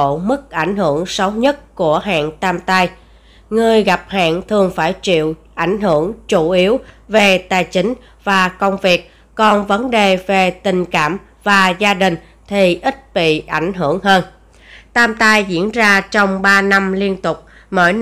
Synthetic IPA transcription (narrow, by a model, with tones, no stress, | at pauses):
mɨ˦˥k̚ʔa˧˩jŋ̟ɦɨ˧˩əŋsə˨˦wɲə˦˥t̚ku˧˩əɦa̰ː˧˨ŋt̪aː˧mt̪a˧j | ŋɨ˨˩əjɣa˨˩p̚ha̰ː˧˨ŋt̪ʰɨ˨˩əŋfaː˧˩jt͡ɕḭ˧˨əwʔa˧˩jŋ̟ɦɨ˧˩əŋt͡ɕu˧˩ʔi˨˦əwve˨˩t̪aː˨˩jt͡ɕï˨˦ŋ̟ | vaː˨˩kə˧wŋ͡mvi˨˩ək̚ | kɔ˨˩nvə˨˦nɗe˨˩ve˨˩t̪ï˨˩ŋ̟ka̰ː˧˩m | vaː˨˩zaː˧ɗï˨˩ŋ̟ | t̪ʰi˨˩ʔi˦˥t̚ɓḭ˧˨ʔa˧˩jŋ̟ɦɨ˧˩əŋɦəː˧n | t̪aː˧mt̪a˧jzḭ˧˥ənzaː˧t͡ɕɔ˧wŋ͡mɓaː˧na˧mli˧ənt̪ʊ˨˩k͡p̚ | mə̰ː˧˩j